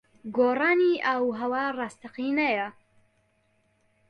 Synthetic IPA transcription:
ɡoːraːniʔɐwɦɐwaːrˤɑːst̪ɐqiːnɐjɐ

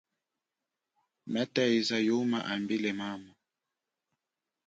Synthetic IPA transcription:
mɛtɛizajumaʔambilɛmama

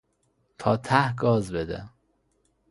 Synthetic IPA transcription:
t̪ʰɒːt̪ʰæhɡɒːzbed̪ḛ

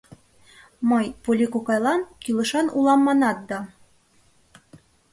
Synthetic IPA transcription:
mɤjpulʲikokɑjlˠɑnkilˠɤ̆ʃɑnulˠɑmːɑnɑt̪̚d̪ɑ

